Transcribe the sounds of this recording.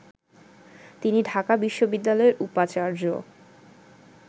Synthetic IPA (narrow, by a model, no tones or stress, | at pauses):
t̪iniɖʱakabiʃːobid̪ːalɔeɾʔupat͡ɕaɾd͡ʑo̰